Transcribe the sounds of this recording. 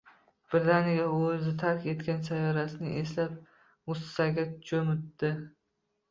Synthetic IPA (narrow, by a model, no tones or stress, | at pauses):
b̥ɾɪt̪anijaɵzɪt̪ʰaɾkʲe̞t̪kʲansajɒɾasɪnɪ̰ʔeslap̚ | mʊst̪ɪ̥saɡʲat͡ʃʰɵmʊt̪ːɪ